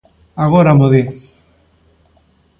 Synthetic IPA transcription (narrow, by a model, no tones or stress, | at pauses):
aɣoɾamoði